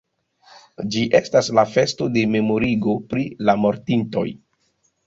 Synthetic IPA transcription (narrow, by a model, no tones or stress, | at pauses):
d͡ʒiʔe̞staslafe̞sto̞de̞me̞mo̞ɾiɡo̞pɾilamo̞ɾtinto̞̰j